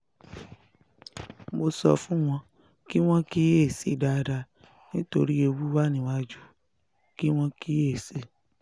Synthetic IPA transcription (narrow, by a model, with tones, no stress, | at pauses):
mo˧sɔ̰˧fũ˦w̃ɔ̃˧ | ki˦w̃ɔ̃˦ki˦e˦˨se˨˧˨da˨˧da˧ | nĩ˦to˧ɾi˦e˧wu˦wa˦˨nĩ˦wa˦d͡ʒu˦ | ki˦w̃ɔ̃˧ki˦e˦˨se˦